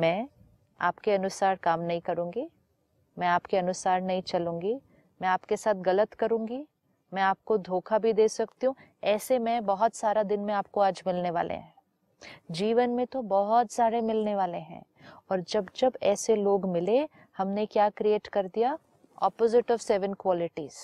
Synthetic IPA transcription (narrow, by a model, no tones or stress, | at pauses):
mɛ̃ː | a̰ːpkeɐnʊsaːɾkaːmnɐɦĩkɐɾũːŋɡi | mɛ̃aːpkeɐnʊsaːɾnɐɦĩt͡ʃɐlũːŋɡi | mɛ̃aːpkesaːt̪̚ʰɡɐlət̪kɐɾũːŋɡi | mɛ̃aːp̚kod̪ʱoːkʰabʱid̪eːsɐkt̪iɦũ | ɛːsemɛ̃bɐɦʊt̪saːɾad̪ɪnmẽaːp̚koaːd͡ʒmɪlneʋa̰ːlʔḛɦɛ̃ː | d͡ʒiːʋənmẽt̪obɔɦɔt̪saːɾemɪlneʋaːleɦɛ̰̃ː | ɔːɾd͡ʒɐbd͡ʒɐbɛːseloːɡmɪle | hɐmnekjaːkɾieːʈkɐɾd̪ija | ɔ̰ːpoːzɪʈɔːʋsɛːʋənkwɔːlɪʈiːz̥